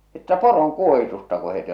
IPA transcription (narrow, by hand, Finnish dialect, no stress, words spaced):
etːæ poroŋkuohitustɑ ko het eij